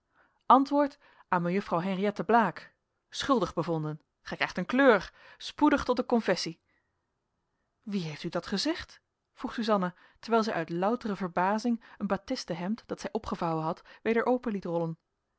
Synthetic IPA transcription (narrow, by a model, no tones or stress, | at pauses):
ʔɑntʋʊːɹt | ʔaːməjɵfrɑwɦɛnriɛtəblaːk | sχɵlˠdəχbəvɔndən | χɛkɛχtənkløːɹ | spudəχtɔt̚dəkɔnfɛsi | ʋiɦejftydɑtχəzɛχt | fruχsyzɑnə | təɹʋɛjlˠzɛjʔœɥtlʌwtərəvəɹbaːzɪŋənbatɪstəɦɛmtd̥ɑtsɛjʔɔpχəvɑwənɦɑtʋejdəɹʔowpənlitrɔlən